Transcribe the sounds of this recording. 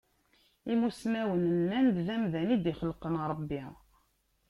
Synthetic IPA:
imusmæwənənːænd̪ðæmðænid̪iχəlqənɾˤəbːi

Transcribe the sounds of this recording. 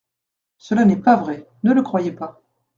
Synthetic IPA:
səlanɛpavʁɛ | nələkχwajepa

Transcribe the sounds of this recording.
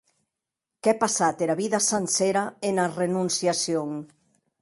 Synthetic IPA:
kepasat̪eɾaβiðasanseɾaenarenunsjasjoŋ

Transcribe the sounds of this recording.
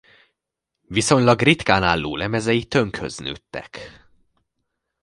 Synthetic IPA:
viso̞ɲlɒɡrit̪kaːnaːlːṵːlɛmɛzɛjit̪ø̞ŋkhø̰zny̰t̪ːɛ̰k

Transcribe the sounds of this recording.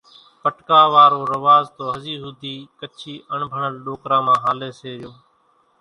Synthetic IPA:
pəʈkaːʋaːɾoːɾəʋaːzt̪oːɦəziːɦʊd̪ʱiːkət͡ʃʰiːʔəɳbʱəɳəlɗoːkɾãːmãːɦaːleːseːɾɪjoː

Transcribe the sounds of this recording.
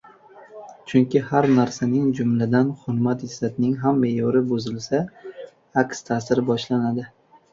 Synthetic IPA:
t͡ʃʰʊŋkʲɪhaɾnaɾsanɪŋd͡ʒʊmlad̪anχʊɾmat̪ɪzat̪ɪnɪŋɦamːejɒɾɪbʊzɪlsa | akst̪ʰaːsɪɾbɒʃlanad̪ɪ

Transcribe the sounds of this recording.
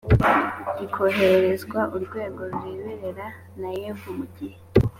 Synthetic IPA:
ikʰo̞ɦe̞ɾeɾezɡwaʔuɾɡwe̞ːɡo̞ɾuwiːβeɾe̞ɾa | najeːvumuɟihe

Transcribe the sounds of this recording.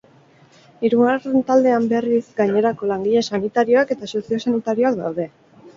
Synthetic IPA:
iɾuɣare̞nt̪ald̪e̞ambe̞rizɡaɲe̞ɾako̞laŋɡiʎe̞sanit̪aɾio̞ake̞t̪aso̞sio̞sanit̪aɾio̞akd̪a̰wðe̞

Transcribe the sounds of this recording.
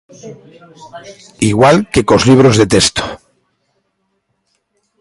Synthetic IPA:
iɣwalke̞kozliβ̞ɾozðe̞t̪e̞st̪o̥

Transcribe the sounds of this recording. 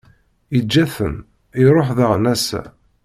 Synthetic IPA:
id͡ʒːæθə̰m | iɾˤoħðəʁnæsæ̰

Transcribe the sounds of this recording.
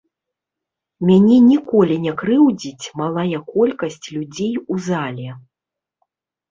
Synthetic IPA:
mʲanʲɛnʲikɔlʲinʲɛkɾɨwd͡zʲit͡sʲmalˠajɐkɔlʲkɐsʲt͡sʲlʲud͡zʲejuzalʲɛ

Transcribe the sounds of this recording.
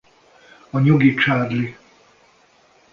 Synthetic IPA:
ɒɲoɡit͡ʃaːrli

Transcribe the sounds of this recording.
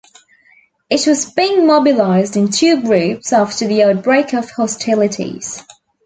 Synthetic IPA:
ɪt̚wɒzbiɪ̃ŋmɒbɪlaɪzdɪ̃ntʰʉːɡɹʉˑpsɑftəðiəʊt̚b̥ɹeɪkəv̥hɒstʰɪlɪtʰḭz̥

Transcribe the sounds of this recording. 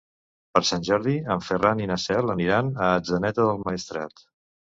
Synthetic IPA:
pəɾsanʲʒɔɾðiəɱfəraninəsɛləniɾanəːd͡zənɛt̪əðəlˠməist̪ɾa̰t̪

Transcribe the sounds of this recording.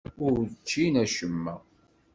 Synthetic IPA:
ʊɾt͡ʃːinæʃəmːæ

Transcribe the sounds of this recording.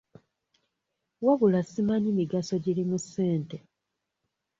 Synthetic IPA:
waβulasimaɲimiɡaso̞ɟilimusːe̞ːnte

